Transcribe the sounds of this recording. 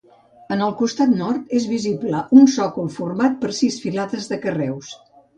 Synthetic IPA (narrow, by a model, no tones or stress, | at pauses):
ənəlˠkust̪at̪nɔrt̪ezβizibləʔunsɔkulˠfurmat̪̚pəɾsisfilaðəzðəkərɛws